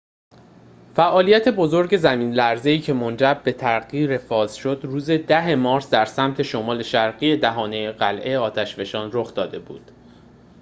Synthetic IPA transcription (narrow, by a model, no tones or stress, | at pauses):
fæʔɒːlijæt̪ʰe̞bo̞zo̞ɾɟe̞zæmiːnlæɾze̞iːcʰe̞mond͡ʒæɾbe̞t̪ʰæɾɣiːɾefɒːz̥ʃo̞d̪ruːze̞d̪æɦemɒːɾzd̪æɾsæmt̪ʰe̞ʃomɒːle̞ʃæɾɣiːe̞d̪æɦɒːnejeɢælʔe̞ɒːt̪ʰæʃve̞ʃɒːnroxd̪ɒːd̪e̞bṵːd̪̥